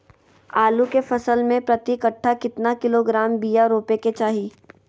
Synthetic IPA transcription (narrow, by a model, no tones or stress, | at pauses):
aːlukefɐsəlmẽpɾɐt̪ikəʈʰːakɪt̪nakɪloɡɾaːmbiːjaɾoːpeket͡ʃaːɦiː